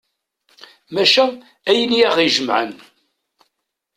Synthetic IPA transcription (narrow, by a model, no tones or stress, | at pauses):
mæʃæ | æjəniæχiʒəmʕə̰n